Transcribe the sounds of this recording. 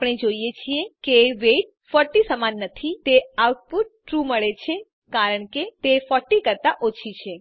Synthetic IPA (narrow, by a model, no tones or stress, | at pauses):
apɽ̃ed͡ʒoijet͡ʃʰiekeʋeʈ̚fɔɾʈisəmanːət̪ʰit̪eawʈ̚puɾːɾuməɭet͡ʃʰe | kaɾəɳket̪efɔʈikəɾt̪aʔot͡ʃʰit͡ʃʰe